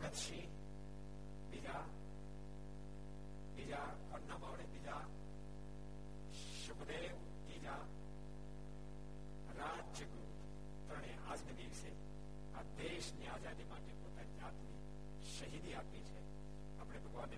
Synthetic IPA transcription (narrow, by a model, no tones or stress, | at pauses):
ɡət̪ʃi | bɪd͡ʒa | bid͡ʒa | kɐnaːbaːʋɽebɪd͡ʒa | ʃʊkd̪eːʋ | t̪iːd͡ʒa | ɾaːd͡ʒd͡ʒəɡɾuːp | t̪ɾəɽ̃eʔaːd͡ʒnəd̪iːʋse | ad̪eːʃniaːd͡ʒaːd̪imaːʈepoːt̪anid͡ʒaːt̪ni | ʃɐɦiːd̪iaːpit͡ʃʰɛ | ɐpɽ̃ebʱɐɡʋaːnːe